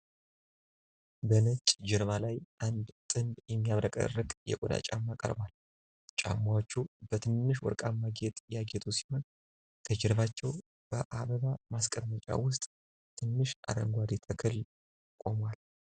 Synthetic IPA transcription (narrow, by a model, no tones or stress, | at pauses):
bənət͡ʃʼd͡ʒɪɾβalajʔand̪t̪ʼɨnb̪jɛmːijaβɾəkʼə̰ɾɨkʼjɛ̰kʼod̪a̰t͡ʃʼa̰mːakʼə̰ɾbal | t͡ʃʼa̰mːawt͡ʃːubət̪ʰɨnːɨʃwɔ̰ɾkʼamːaɡet̪ʼjaɡet̪ʰusi̥ho̞n | t̪ʰəd͡ʒɛɾβat͡ʃːɛw | b̥əʔaβəβamaskʼəmːət͡ʃʼa̰wʊst̪ʼ | t̪ʰɨnːɨʃʔa̰d̪ə̰ŋɡʷad̪it̪ʰəkʰɨl | kʼo̞mwal